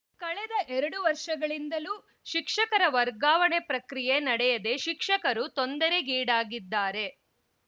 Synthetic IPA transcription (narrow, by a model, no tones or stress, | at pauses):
kɐɭɛd̪ɐʔɛɾɐɽuʋɐɾʂɐɡɐɭind̪ɐlu | ʃikʂɐkɐɾɐʋɐɾɡaːʋɐɳepɾɐkɾijenɐɽɛjɐd̪e̞ʃikʂɐkɐɾut̪ond̪ɐɾe̞ɡiːɽaːɡid̪ːaːɾe̞